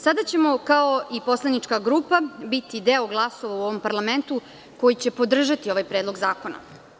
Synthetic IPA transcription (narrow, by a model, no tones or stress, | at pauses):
sad̪at͡ɕe̞mo̞kaoipo̞slˠanit͡ʃkaɡɾuːpabit̪id̪eoɡlˠasoʋauo̞ʋo̞mpaɾlˠame̞nt̪u | ko̞jit͡ɕe̞po̞d̪r̩ʒat̪io̞ʋajpɾeːd̪lˠo̞ɡzaːko̞na̰